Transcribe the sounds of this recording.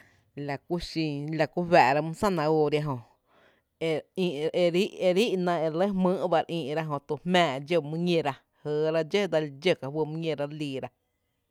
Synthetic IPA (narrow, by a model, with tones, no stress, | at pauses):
la˨ku˦ʃĩ˧la˧˨ku˦ɦɛ˨ʔɾa˧mũ˦sã˦˨nã˧oː˧˨ɾja˧ɦõ˨ | e˧ĩ˧e˧ɾi˦ʔe˧ɾi˦ʔnã˧e˧ɾlə˦mɨ̃ː˦ʔba˧ɾʔĩː˧ʔɾa˦ɦõ˧t̪u˧mɛ̃ː˧˨d͡ʒo˧˨mũ˦ɲẽ˧ɾa˧ | həː˨ɾa˧d͡ʒə˦d̪a˧ld͡ʒə˦˨ka˧˨wə˧mũ˦ɲẽ˧ɾa˧ɾliː˧˨ɾa˧